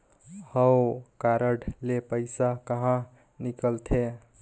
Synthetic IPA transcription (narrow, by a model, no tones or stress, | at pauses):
həwkaɾəɽlepəɪsakəɦã | nikəlt̪ʰe